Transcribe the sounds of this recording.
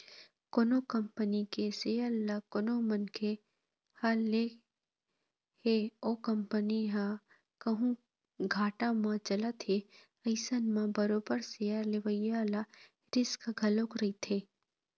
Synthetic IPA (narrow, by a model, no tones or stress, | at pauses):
konokɐmpənikesealakonomɐnkʰe | hale | heoːkɐmpəniɦa | kɐɦũ | ɡʱaːʈãmãt͡ʃɐlat̪ʰe | ɐɪsənmãbɐɾoːbəɾsejaɾleʋəjala | ɾɪskɡʱɐlokɾɐit̪ʰeː